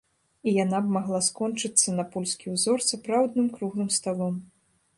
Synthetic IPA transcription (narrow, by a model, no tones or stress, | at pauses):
ijanabmaɣlˠaskɔnt͡ʂɨt̪sːɐnɐpɔlʲskʲiwzɔrsapɾawd̪nɨmkɾuɣlˠɨmst̪alˠɔm